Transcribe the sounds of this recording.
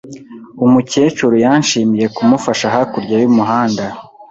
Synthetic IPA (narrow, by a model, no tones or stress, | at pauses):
umuceːt͡ʃuɾujanʃiːmije̞kumufaʃaɦakuɾɟajumuɦaːnda